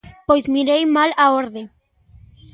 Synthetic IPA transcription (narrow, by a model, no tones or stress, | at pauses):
pojzmiɾejmalaoɾðe